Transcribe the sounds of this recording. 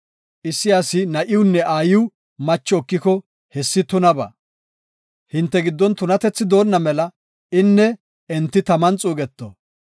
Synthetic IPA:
ʔɪsːɪjaːsɪnɐʔɪʊnːɛʔaːjɪw | mɐt͡ʃːɔːkːɪkɔ | hɛsːɪt̪ʊnɐbɐ̰ | hɪnt̪ːɛɡɪd̪ːɔnt̪ʊnɐt̪ɛt͡sːɪd̪o̞ːnːɐmɛlɐ | ɪnːɛ | ɛnt̪ːɪt̪ɐmɐnt͡sʼuːɡɛt̪ːo̰

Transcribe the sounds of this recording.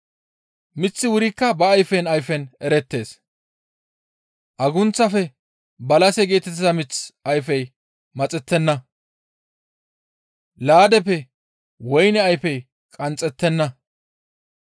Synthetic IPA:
mɪt͡sːɪwʊɾɪkːɐbɐːjfɛnɐjfɛnɛɾɛt̪ːe̞ːs | ʔɐɡʊnt͡sːɐfɛ | bɐlɐsɛɡe̞ːt̪ɛt̪ːɪzɐmɪt͡sɐjfɛj | mɐt͡sʼɛt̪ːɛnːɐ | laːd̪ɛpɛ | wɔjnɛɐjfɛj | kʼɐnt͡sʼːɛt̪ːɛnːɐ

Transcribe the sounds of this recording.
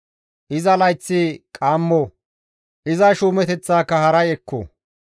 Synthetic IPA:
ʔɪzɐlɐjt͡sːɪkʼaːmːɔ | ʔɪzɐʃuːmɛt̪ɛt͡sːaːkːɐhɐɾɐjɛkːɔ̰

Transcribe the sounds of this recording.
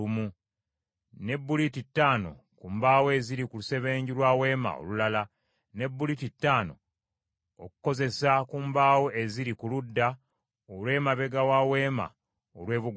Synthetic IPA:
umu | ne̞bːulititːaːno̞̰ | kumbaːwoeziɾikuluse̞βe̞ːɲɟilwaːwe̞ːma̰o̰lulala | ne̞bːulititːaːno̞̰ | oku̥ko̞ze̞sakumbaːwoʔeziɾikuludːa | olwe̞ːmaβe̞ɡawawe̞ːma̰ | olwe̞ːβuɡ

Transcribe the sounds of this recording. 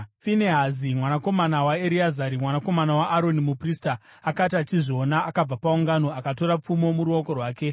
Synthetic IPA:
fineɦazimwanako̞manawaeɾiazaɾimwanako̞manawaʔːɾo̞nimupristaː | katatiʐo̞naːkab͡vapauŋɡano̞akato̞ɾap͡fumo̞muɾuoko̞rwaːke̞

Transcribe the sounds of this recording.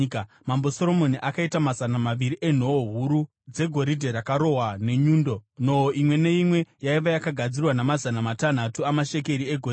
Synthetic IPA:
mambo̞soɾo̞mo̞niʔakaitamazanamaʋiɾiʔe̞n̤o̞oɦuɾu | d͡ze̞ɡʱo̞ɾidʱe̞ɾakaɾo̞ɦwane̞ɲuːndo̞no̞oʔimwe̞ne̞imwe̞jaiʋajakaɡʱad͡zirwanamazanamatan̤atuamaʃeke̞ɾieɡʱor

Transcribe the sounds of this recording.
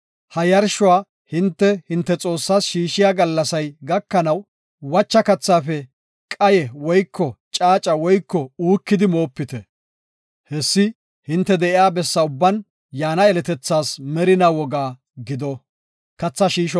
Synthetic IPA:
hɐjɐɾʃʊwaː | hɪnt̪ːɛhɪnt̪ːɛt͡sʼo̞ːsːaːsʃiːʃɪjaːɡɐlːɐsɐjɡɐkːɐnɐw | wɐt͡ʃːɐkɐt͡sːaːfɛ | kʼɐjɛwɔjkʰːɔt͡ʃʼaːt͡ʃʼɐwɔjkːɔuːkːɪd̪ɪmo̞ːpːɪt̪ɛ | hɛsːɪ | hɪnt̪ːɛd̪ɛʔɪjaːbɛsːɐʊbːɐn | jaːnɐɛlɛt̪ɛt͡sːaːsmɛɾɪnɐwɔɡaː | ɡɪd̪ɔ | kɐt͡sːɐʃiːʃ

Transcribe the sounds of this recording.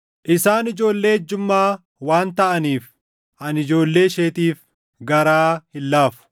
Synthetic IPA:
ʔɪsaːnɪd͡ʒo̞ːlːe̞ːd͡ʒːʊmːaː | waːnt̪ɐʔɐniːf | ʔɐnɪd͡ʒo̞ːlːe̞ːʃeːt̪iːf | ɡɐɾaːhɪlːaːfʊ̥

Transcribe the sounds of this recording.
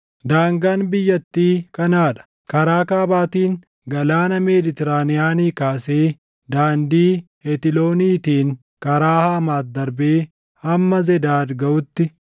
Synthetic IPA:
d̪aːŋɡaːnbɪjːɐt̪ːiːkʼɐnaːᶑɐ̥ | kɐɾaːkaːbaːt̪iːŋ | ɡɐlaːnɐmeːd̪ɪt̪ɛɾaːnɪjaːniːkaːseː | d̪aːnd̪iːhɛt̪ɪlo̞ːniːt̪iːŋ | kɐɾaːhaːmaːt̪̚d̪ɐɾbeː | hɐmːɐzɛd̪aːɾɡɐʔʊt̪ːɪ

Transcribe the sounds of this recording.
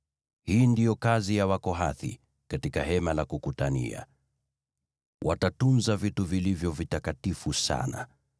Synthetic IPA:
hiːndijɔkazijawakɔɦaθḭ | katikaɦɛmalakukutanḭa̰ | wʔa̰tatunzavituvilivjɔvitakatifusa̰na̰

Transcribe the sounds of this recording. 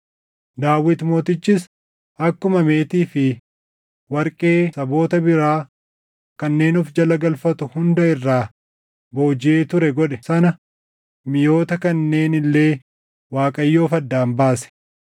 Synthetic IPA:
d̪aːwːɪt̪mo̞ːt̪ɪt͡ʃːɪs | ʔɐkːʊmɐme̞ːt̪iːfɪ | wɐɾkʼe̞ːsɐbo̞ːt̪ɐbɪɾaː | kɐnːe̞ːnʊfd͡ʒɐlɐɡɐlfɐt̪ʊhʊnd̪ɐɪrːaː | boːd͡ʒɪeːt̪ʊɾɛɡɔᶑɛsɐnɐ | mɪjo̞ːt̪ɐkɐnːe̞ːnɪlːe̞ː | waːkʼɐjːo̞ːfɐd̪ːaːmbaːsɛ̥

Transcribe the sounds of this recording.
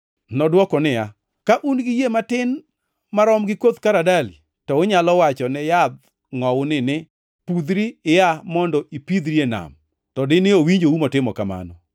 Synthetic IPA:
nɔdwɔkɔnɪa | kaʔunɡɪjematɪn | maɾɔmɡɪkod̪kaɾadalḭ | tɔʊɲalɔwat͡ʃɔnɛjad̪ | ŋɔwʊnɪnɪ | pud̪ɾiɪjamɔndɔʔipid̪ɾiena̰m | tɔdɪnɪowiɲd͡ʒoumɔtɪmɔkama̰nɔ̰

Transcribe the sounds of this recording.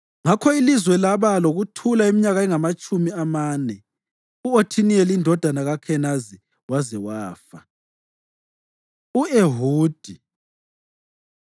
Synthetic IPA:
ŋakʰɔilizwɛlaβaloɣutʰulaemiɲaɣaɛŋamat͡ʃʼumiamaːnɛ | uotʰinijɛlindʱɔd̥ʱanaɣakʰɛnazi | wazɛwaːfa | ueɦuːd̥ʱi

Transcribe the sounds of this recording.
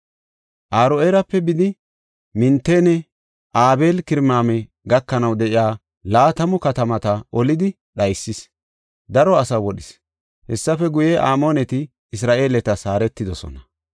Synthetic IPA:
ʔaːɾoeːɾɐpːɛbɪd̪ɪ | mɪnt̪ːeːnɛ | ʔaːbe̞ːlkɪɾmaːmɛ | ɡɐkːɐnɐwd̪ɛʔɪjaː | laːt̪ɐmʊkɐt̪ɐmɐt̪ɐʔɔlɪd̪ɪ | ɗɐjsːɪs | d̪ɐɾɔɐsɐwɔɗɪs | hɛsːɐfɛɡʊjɛʔaːmo̞ːnɛt̪ɪː | s̬ɾaːʔe̞ːlɛt̪ɐsaːɾɛt̪ːɪd̪ɔsɔ̰nɐ

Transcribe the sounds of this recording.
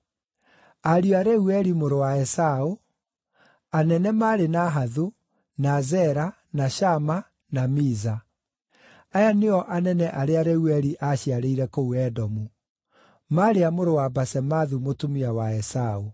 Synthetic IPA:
aɾiaɾɛuɛɾimoɾowaɛsao | anɛnɛmaːɾenaɦaðu | nazɛɾa | naɕama | namiza | ajaneɔʔanɛnɛʔaɾeaɾɛuɛɾiʔaɕiaɾeiɾɛkouɛdɔmu | maɾeamoɾowabasɛmaðumotomiawaɛsao

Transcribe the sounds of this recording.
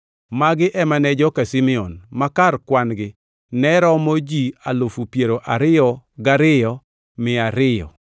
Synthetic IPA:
maɡɪʔɛmanɛd͡ʒɔkasimɪɔnmakarkwanɡɪ | nɛɾɔmɔd͡ʒialofupjeɾoʔaɾɪjɔɡaɾɪjɔ | mɪaɾɪjɔ̰

